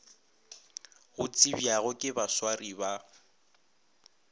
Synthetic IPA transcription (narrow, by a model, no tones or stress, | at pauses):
ɣʊt͡sʼibjaɣʊkʼɪbaswariba